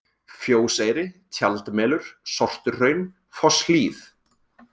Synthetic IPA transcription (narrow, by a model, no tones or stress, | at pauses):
fjoːwseːjɾɪt̪ʰjalt̪mɛːlʏɾ̥sɔr̥t̪ʏɾrœɥn | fɔsliːθ